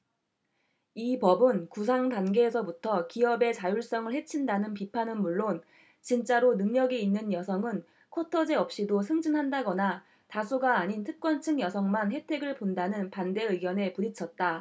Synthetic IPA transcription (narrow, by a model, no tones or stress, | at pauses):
ipʌbɯnkusʰaŋdanɡe̞ːsʰʌbutʰʌkiʌbe̞t͡ɕajuɭs͈ʌŋɯɭhe̞t͡ɕʰindanɯnp̬ipʰanɯnmuɭːon | t͡ɕint͡ɕ͈aɾonɯŋɲʌɡiinːɯnjʌsʰʌŋɯn | kʰotʰʌd͡ʑe̞ʌp̚ɕ͈idosʰɯŋd͡ʑinɦandaɡʌna | tasʰuɡaːɲintʰɯk̚k͈wʌnt͡ɕʰɯŋjʌsʰʌŋmanhe̞tʰe̞ɡɯɭpondanɯnpande̞ɯɡjʌne̞puɾit͡ɕʰʌt̚t͈a